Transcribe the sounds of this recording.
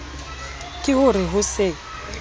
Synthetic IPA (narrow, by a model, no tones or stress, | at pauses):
kʼɪhʊrɪɦʊsɪ